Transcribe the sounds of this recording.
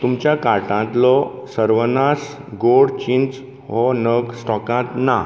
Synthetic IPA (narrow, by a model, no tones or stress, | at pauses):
t̪umt͡ɕjakaʈãt̪lɔsəɾʋənas | ɡoɽt͡ɕint͡s | ɦɔnəɡsʈɔkãt̪na